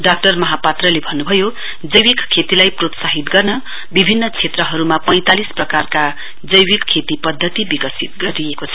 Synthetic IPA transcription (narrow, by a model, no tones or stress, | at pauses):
ɖak̚ʈʌrmʌɦapat̪rʌlebʱʌnːubʱʌjo | d͡zʌjwikkʰːet̪ilajprot̪saɦit̪ɡʌrnʌ | bibʱinːʌt͡sʰet̪rʌɦʌɾumapʌj̃t̪alisprʌkarka | d͡zʌjwikkʰːet̪ipʌd̪ʱːʌt̪ibikʌsit̪̚ɡʌɾijekot͡sʰʌ